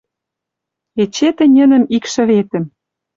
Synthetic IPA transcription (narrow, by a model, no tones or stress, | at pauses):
et͡ɕet̪ɘ̆nʲə̆nə̆mikʃɘ̆βet̪ɘ̆m